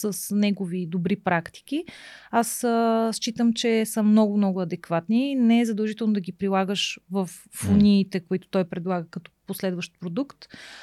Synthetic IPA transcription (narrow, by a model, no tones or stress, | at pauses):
səsnɛɡovid̪obɾipɾakt̪i̥k̟iasəst͡ʃit̪əmt͡ʃɛsəmnɔɡʊmnɔɡʊɐd̪ɛkvat̪ninɛɛzɐd̪əɐlˠʒit̪ɛlˠnʊd̪ɐɡʲipɾilˠaɡəʃvəfːonʲiːt̪ɛkoit̪ʊ̥t̪ɔjpɾɛd̪lˠaɡəkɐt̪ɔ̥poslɛd̪vəʃt̪̚pɾod̪ukt̪